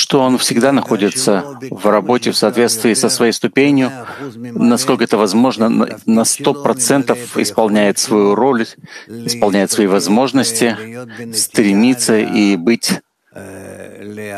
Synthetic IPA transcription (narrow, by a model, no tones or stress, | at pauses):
ʂt̪o̞o̞nfsʲɪɡd̪anɐxo̞dʲɪt̪səvrɐbo̞tʲɪfsɐːt̪vʲe̞t̪st̪vʲɪːsəsvɐjejst̪ʊpʲenʲjʊ | nɐsko̞lʲkəɛt̪əvɐzmo̞ʐnə̰nɐst̪o̞pɾɐt̪sɛnt̪əfɪ̰spɐlˠnʲæjɪt̪svɐjuɾo̞lʲɪspɐlˠnʲæjɪt̪svɐivɐzmo̞ʐnəsʲtʲɪst̪ɾʲɪmʲit̪səʔibɨtʲ